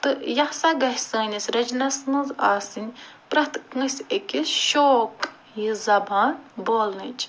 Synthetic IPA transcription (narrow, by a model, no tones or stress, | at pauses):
t̪ɨjɐhsaɡɐɦʲsəːnʲɐsʲɾɐd͡ʒnɐsnɨza̰ːsɨnʲpɾɐt̪kə̃sekʲiʃoːk | jizɐbaːnboːlnɨt͡ʃʰ